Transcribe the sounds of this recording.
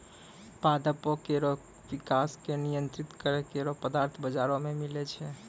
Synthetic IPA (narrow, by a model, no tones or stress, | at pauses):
pad̪əpokeɾo | ʋikaskenijənt̪ɾit̪kəɾekeɾopəd̪aɾt̪ʰbəd͡ʒaɾomemilɛt͡ʃʰɛ